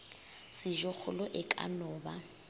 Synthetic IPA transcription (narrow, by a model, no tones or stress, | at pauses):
sɪʒɔk͡xʰʊlʊʔɪkʼa̰nɔːba